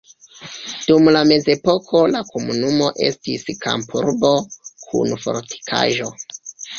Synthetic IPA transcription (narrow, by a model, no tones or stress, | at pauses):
d̥umlame̞ze̞po̞kʰo̞lakomunumo̞ʔe̞̰stiska̰mpuɾbo̞kʰṵnfo̞̰ɾtʰi̥kʰa̰ʒo̞